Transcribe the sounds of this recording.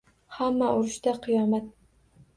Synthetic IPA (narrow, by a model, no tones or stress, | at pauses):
hamːaʔʊɾɪʃt̪aqʰɨjɒmat̪̚